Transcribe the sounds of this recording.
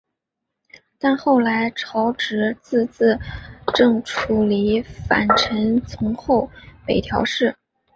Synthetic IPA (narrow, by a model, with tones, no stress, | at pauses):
t̪a˥˧nxo˥˩ʊla˧˥ɪʈ͡ʂʰɑ˧˥ʊʈ͡ʂɻ̩˧˥t͡sɹ̩˥˧t͡sɹ̩˥˩ʈ͡ʂɤ˥˧ŋʈ͡ʂʰu˨˩li˧˥fa̰˨˩nʈ͡ʂʰə˧˥nt͡sʰʊ˧˥ŋxo˥˩ʊpe˨˩ɪt̪ʰjɑ˧˥ʊʂɻ̩˥˩